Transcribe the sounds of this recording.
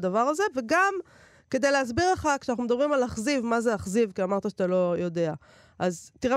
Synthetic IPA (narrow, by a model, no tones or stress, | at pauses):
d̪avaʁaze̞ve̞ɡam | ke̞d̪ejleaz̬biʁleχakʃeanaχnumd̪abʁimalaχzivmazeaχzivkiamaʁt̪aʃat̪alo̞jo̞d̪e̞a | ʔazt̪iʁe